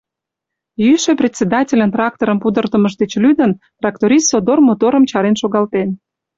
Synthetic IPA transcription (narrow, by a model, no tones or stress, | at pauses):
jyʃeprʲet̪ʲsʲed̪ɑtʲelʲə̆nt̪rɑk̚t̪oɾəmpud̪ərt̪əməʒd̪et͡ɕlyd̪ənt̪rɑk̚t̪oɾʲissod̪ormot̪oɾə̆mt͡ɕɑɾenʃoɣɑlt̪en